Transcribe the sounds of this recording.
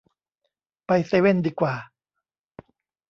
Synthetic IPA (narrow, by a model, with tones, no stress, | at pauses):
pa˧jseː˧we˥˩˨ndiː˧kwaː˨˩